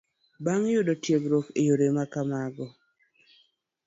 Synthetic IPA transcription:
baŋjʊdɔtjeɡɾokejoɾemakamaɡɔ

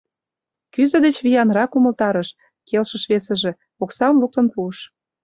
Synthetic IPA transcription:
kyzə̆d̪et͡ɕβijɑnɾɑkumə̆lt̪ɑɾə̆ʃ | kelʃə̆ʃβesə̆ʒĕ | oksɑmluk̚t̪ə̆npuəʃ

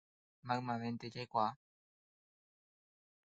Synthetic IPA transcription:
maɰmãʋẽnt̪et͡ʃajkʷa

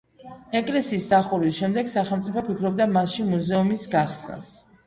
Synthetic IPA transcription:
ɛkʼlɛsiːsd̪aχuɾwisʃɛmd̪ɛɡsaχɛlˠmt̪sʼipʰɔpʰikʰɾɔb̚d̪amasʃimuzɛumisɡaχsna̰s

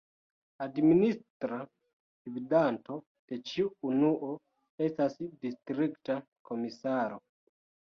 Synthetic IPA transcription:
administɾa | dividanto̞ | d̥e̞t͡ʃiuːnuʔo̞ | e̞stasdistɾikta | kʰo̞misaɾo̞

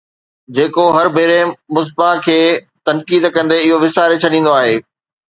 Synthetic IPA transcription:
d͡ʑeːkoɦɐɾbʱeːɾemʊs̬bakʰeː | t̪ɐnkiːd̪kɐ̃nd̪eɪɦoʋɪsaːɾet͡ɕʰɐɗĩːn̆d̪oaːɦeː

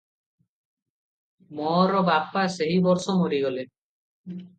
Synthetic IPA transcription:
mɔɾɔbapːaseɦibɔɾsɔmoɾiɡɔle

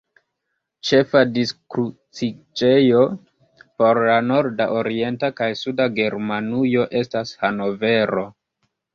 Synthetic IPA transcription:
t͡ʃe̞fadiskɾut͡sit͡ʃe̞jo̞ | po̞ɾlano̞ɾdaʔoɾie̞ntakajsudaɡe̞ɾmanujo̞ʔe̞stashano̞ve̞ɾo̞

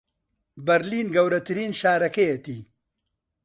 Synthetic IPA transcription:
bɐɾliːnɡɐwɾɐt̪ɨɾiːnʃaːɾɐkejet̪iː

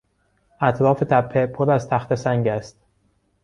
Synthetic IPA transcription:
ʔæt̪ʰɾɒːfe̞t̪ʰæpʰːepʰoɾæzt̪ʰæxt̪ʰe̞sæŋɡæst̪̚

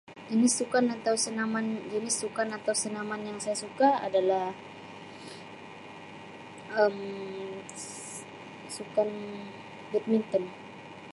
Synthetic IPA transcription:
d͡ʒənɪsːukanat̪awsənamand͡ʒənɪsːukanat̪awsənamanjaŋsajasukaa̰dalah | ʔəm | sukan | bɛt̪̚mint̪ən

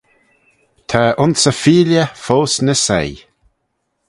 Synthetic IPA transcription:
t̪ʰaʔʊnsəfiːljəfoːsnəsɛ̰j

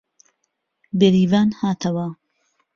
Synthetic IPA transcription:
beɾiːvaːnhaːt̪ʰɐwɐ

